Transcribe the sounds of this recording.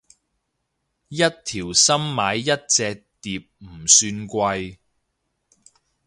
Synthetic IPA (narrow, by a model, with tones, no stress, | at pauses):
jɐ˥t̚t̪ʰiː˨˩wsɐ˥mmaː˨˥jːɐ˥t̚t͡sɛː˧k̚t̪iː˨p̚m̩˨˩syː˧nkʷɐ˧j